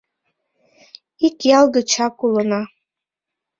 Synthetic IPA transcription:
ikʼjalɡat͡ʃʰakʷʼulana

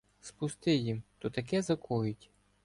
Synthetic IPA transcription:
spʊst̪ɪjimt̪ɔt̪ɐkɛzɐkʰɔjʊtʲ

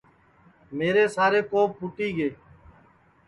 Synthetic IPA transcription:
meːɾeːsaːɾeːkoːpːʊʈiːɡeː

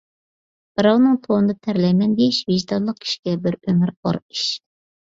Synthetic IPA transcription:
b̥ɨɾɑwnɨŋt̪ʰonɨd̪ɑt̪ʰæɾlɛmɛnd̪eʃveʒd̪ɑlˠːəq̚kʲʰi̥ʃi̥ɡʲɛbɪɾømɨɾɑ̰ɾiʃ

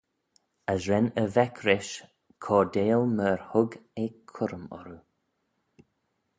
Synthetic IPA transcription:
əsɹɛnəvɛkʰɾɪʃ | kʰɔːd̪eːlməɹhʊɡekʰʊɾəmɔ̰ɾu

